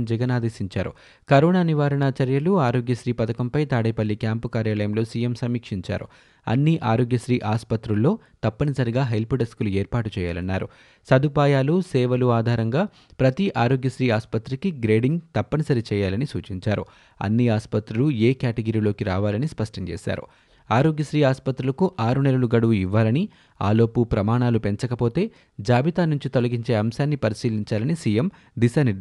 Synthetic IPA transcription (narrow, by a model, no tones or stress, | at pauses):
md͡ʒɐɡɐnaːd̪eːsiɲt͡ʃaːɾṵ | kɐɾɔːnaːniʋaːɾɐɳaːt͡ʃɐɾjɐluaːɾoːɡjɐʃɾiːpɐt̪ɐkɐmpɐjt̪aːɽɐjpɐlːikjaːmpukaːɾjaːlɐjɐmlo̞ːsiːjemsɐmiːkʂiɲt͡ʃa̰ːɾṵ | ɐ̰nːiʔaːɾoːɡjɐʃɾiːʔaːspɐt̪ɾulːo̞ː | t̪ɐpːɐnɐsɐɾiɡaːɦelpiɖɐskuːlueːɾpaːʈut͡ʃɛːja̰ːlɐnːaːɾu | sɐd̪ʱupaːjaːlusɛːʋɐluaːd̪ʱaːɾɐŋɡaː | pɾɐt̪iʔaːɾoːɡjɐʃɾiːaːspɐt̪ɾɐkiɡɾe̞ːɖiŋɡt̪ɐpːɐnisɐɾit͡ʃɛːjaːlɐnisuːt͡ʃiɲt͡ʃaːɾṵ | ɐ̰nːiaːspɐt̪ɾulueːkaːʈɐɡɐɾiːlo̞ːkiɾaːʋaːlɐnispɐʂʈɐɲt͡ʃɛ̰ːʃa̰ːɾṵ | aːɾo̞ːɡjɐʃɾiːaːspɐt̪ɾulɐkuʔaːɾunɛlɐluɡɐɽuʋuiʋːaːlɐni | a̰ːlo̞ːpupɾɐmaːɳaːlupe̞ɲt͡ʃɐkɐpo̞ːt̪e̞ː | d͡ʒaːbit̪aːnuɲt͡ʃit̪olɐɡiɲt͡ʃe̞ːɐmʃaːnːipɐɾisiːliɲt͡ʃaːlɐnisiːjem | d̪iʃɐni